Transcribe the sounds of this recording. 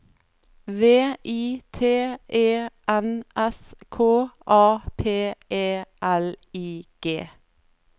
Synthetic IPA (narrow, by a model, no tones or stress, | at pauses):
ʋeːʔiːt̪ʰeːʔeːʔɛnʔɛskʰoːʔɑːpʰeːʔeːʔæliːɡ̥eː